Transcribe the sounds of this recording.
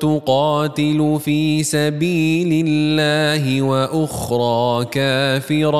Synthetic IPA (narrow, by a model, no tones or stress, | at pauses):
t̪ʊqɑːt̪ɪlʊfiːsabiːlɪlːaːɦɪwaʔʊxɾˤɑːkaːfɪɾ